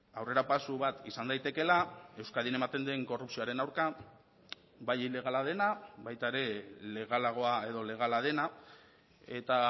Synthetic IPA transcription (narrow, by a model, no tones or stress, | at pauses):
awre̞ɾapasuβat̪isand̪ajt̪e̞ke̞lae̞wskaðiene̞mat̪e̞nd̪eŋko̞rupsio̞aɾe̞nawɾka | bajile̞ɣ̞alaðe̞naβajt̪aeɾe̞le̞ɣ̞alaɣ̞o̞ae̞ðo̞le̞ɣ̞alað̞e̞na | e̞t̪a